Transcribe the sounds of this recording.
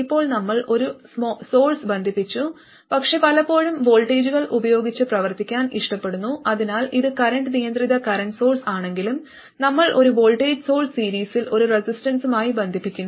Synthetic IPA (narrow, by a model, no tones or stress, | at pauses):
ipːo̞ːɭnɐmːɐɭʔo̞ɾusmːsoːlsbɐnd̪ʱipːit͡ɕːu | pɐkʂe̞pɐlɐpːo̞ːɻumʋo̞ːlʈeːd͡ʑuɣɐɭʔubɐjo̞ːɡit͡ɕːɨprɐʋɐrt̪ikʲːaːniʂʈɐpːe̞ɽunːuʔɐðinaːliðɨkɐɾɐɳɖɨnijɐnd̪riðɐkɐɾɐɳɖso̞ːlsaːɳe̞ŋɡilum | nɐmːɐɭʔo̞ɾubo̞ːlʈeːd͡ʑso̞ːɭssiːɾiːsilo̞ɾuresisʈɐnsumaːjibend̪ʱipːikʲːunː